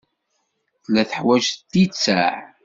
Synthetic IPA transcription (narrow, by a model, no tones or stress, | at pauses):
θlæθəħwæʒt̪ːit͡sːæʕ